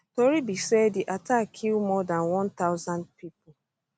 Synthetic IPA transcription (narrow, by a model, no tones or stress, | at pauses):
toɾibisediʔatakkʰːilmɔdãnwɔ̃nt̪aʊzãnd̚pipʊ